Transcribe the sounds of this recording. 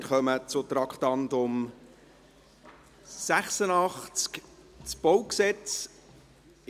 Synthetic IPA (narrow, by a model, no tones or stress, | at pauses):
ɾχœmət͡sʊt̪ɾɑkχt̪ɑntʊm | sæχsənɑχt͡skt͡sb̥ɔwksɛt͡s